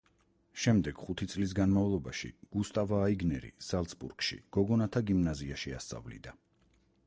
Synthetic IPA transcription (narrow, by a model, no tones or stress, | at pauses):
ʃɛmd̪ɛɡ̥χut̪ʰit̪sʼlis̬ɡanmavlˠɔbaʃḭɡ̥ust̪ʼavaːiɡnɛɾḭsalˠt̪sbṵɾkʃḭɡ̥ɔɡɔnat̪ʰaɡimnaziaʃia̰st̪sʼa̰vlḭd̪a